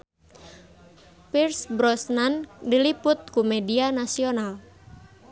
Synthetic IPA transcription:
pirsbɾɔsnandilipʊt̪̚kumɛdianasional

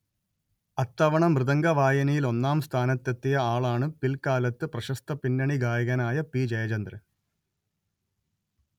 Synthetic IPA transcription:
ɐt̪ːɐʋɐɳɐmrɨðɐŋɡɐʋaːjɐnɐjilo̞nːaːmst̪ʰaːnɐt̪ːet̪ːijɐaːɭaːɳɨpilkaːlɐt̪ːɨprɐɕɐst̪ʰɐpinːɐɳiɡaːjɐɣɐnaːjɐpiːd͡ʑɐjɐd͡ʑɐnd̪ɾɐ

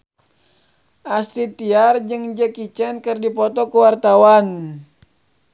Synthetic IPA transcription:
ʔast̪ɾit̪iard͡ʒɨŋd͡ʒəkit͡ʃɛnkɨrdipɔt̪ɔkuwart̪awan

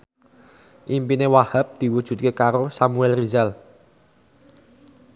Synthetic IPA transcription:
ʔimpinewahap̚d̪̥i̤wud̥ʒ̥ṳt̪̚kekaɾosamuɛlrizal

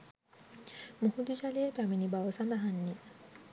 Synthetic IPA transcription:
muhud̪ud͡ʒalepæminibaosand̪aɦanːi

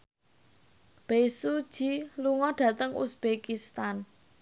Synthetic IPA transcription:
b̥esud̥ʒ̥iluŋɔɖ̥ä̤t̪əŋʔṵsb̥ekist̪an

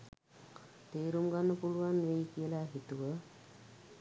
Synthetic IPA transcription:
t̪eːɾumɡanːəpuluʋanʋejkijəlaɦit̪uʋə

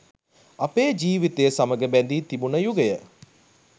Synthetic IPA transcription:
apeːd͡ʒiːʋit̪əjəsaməɡəbænd̪iːt̪ibunəjuɡəjə

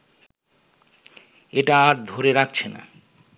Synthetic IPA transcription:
eʈaːɾd̪ʱoɾeɾak̚t͡ɕʰena̰

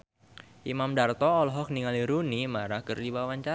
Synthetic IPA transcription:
ʔimamdart̪ɔːlɔɦɔk̚niŋaliɾunimaɾakərdibawaɲt͡ʃa

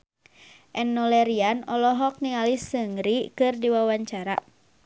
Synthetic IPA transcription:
ʔɛnːɔlɛɾianɔlɔɦɔk̚niŋalisəŋɾikɨrdiwawaɲt͡ʃaɾa̰

